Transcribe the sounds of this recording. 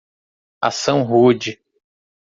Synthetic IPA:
a̰sɐ̃w̃ɦud͡ʒi

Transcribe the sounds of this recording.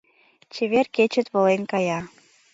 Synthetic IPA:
t͡ɕeβerket͡ɕə̆t̪βŏlenkɑjɑ

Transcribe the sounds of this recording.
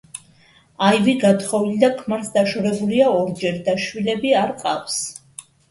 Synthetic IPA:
ajviɡat̪χɔvilid̪akʰmaɾsd̪aʃɔɾɛbuliaɔɾd͡ʒɛɾd̪aʃwilɛbiaɾqʼafs

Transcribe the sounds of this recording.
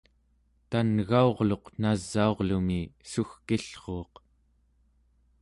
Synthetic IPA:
t̪anɣao̞ʁlo̞qnazːao̞ʁlumisuxkiɬχoːq

